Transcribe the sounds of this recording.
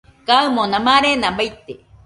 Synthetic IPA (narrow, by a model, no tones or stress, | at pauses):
kaɨmõnãmãɾenãbajt̪e